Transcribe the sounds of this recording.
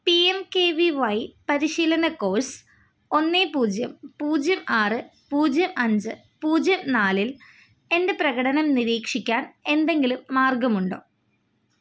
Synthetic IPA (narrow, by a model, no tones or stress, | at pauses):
piemkeːʋiʋɐjpɐɾiɕiːlɐnɐko̞ːs | o̞nːeːpuːd͡ʑjɐmpuːd͡ʑjɐmaːrɨpuːd͡ʑjɐmʔɐɲd͡ʑɨ | puːd͡ʑjɐmnaːlil | e̞nde̞prɐɣɐɽɐnɐmniɾiːkʂikʲːaːne̞nd̪e̞ŋɡilumːaːrɡɐmuɳɖo̞̰ː